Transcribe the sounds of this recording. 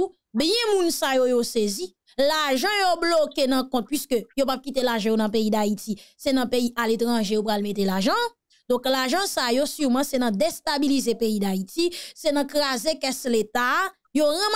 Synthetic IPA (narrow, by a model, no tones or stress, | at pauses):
bjɛ̃mũnsajojosezi | laʒʌ̃joblokenɐ̃kɔ̃t̪̚pɥiskøjopab̚kit̪elaʒɑ̃jonɐ̃p̬eid̪aitisɛnɐ̃peiʔalet̪ʁɐ̃ʒejopɣalmet̪elaʒɑ̃ | d̪ɔ̃klaʒɑ̃sajosyʁmɐ̃sɛnɐ̃d̪est̪abilizepeid̪aitisɛnɐ̃kʁazekɛslet̪a | joʁãm